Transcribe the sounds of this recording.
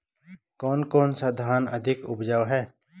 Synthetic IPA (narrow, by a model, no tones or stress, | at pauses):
kɔːnkoːnsad̪ʱaːnəd̪ʱɪkʊbd͡ʒawɦɛː